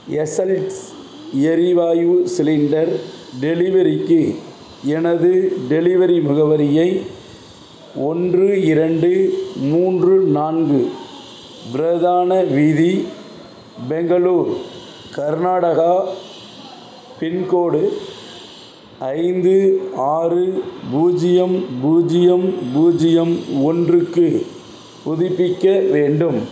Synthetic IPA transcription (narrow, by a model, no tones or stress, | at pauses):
ɛsɐlʈ | ɛɾɪʋaːjusɪlɪɳɖɐɾɖɛlɪʋɐɾɪkːɯ | ɛnɐðɯɖɛlɪʋɐɾimɐɣɐʋɐɾɪjɐɪ | ɔndrɯɪɾɐɳɖɯmuːndrɯnaːnɡɯ | bɪɾɐðaːnɐʋiði | bɛŋɡɐluːɾ | kɐɾnaːɽɐɣa | pɪnkoːɽɯ | ɐɪnd̪ɯaːrɯbuːd͡ʒɪjɐmbuːd͡ʒɪjɐmbuːd͡ʒɪjɐmɔndrɯkːɯ | pʊðɪpːɪkːɐʋeːɳɖɯm